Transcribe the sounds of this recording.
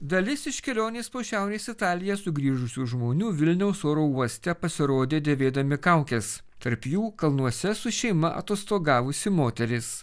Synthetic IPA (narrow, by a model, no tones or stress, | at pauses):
d̪ɐlʲɪsɪʃʲkʲɛlʲoːnʲeːspoʃʲæˑʊɾʲeːsɪt̪ɑːlʲɪjɛsʊɡɾʲiːʒʊsʲuːʒmoːnʲuːʋʲɪlʲnʲɛʊsoːɾoːuɔsʲt̪ʲɛpɐsʲɪɾoːd̪ʲeːd̪ʲeːʋʲeːd̪ɐmʲɪkɐˑʊkʲɛs | t̪ɐɾpjuːkɐlˠnuɔsʲɛsʊʃʲɛɪmɐʔɐ̰t̪oːst̪oːɡɑːʋʊsʲɪmoːt̪ʲɛɾʲɪs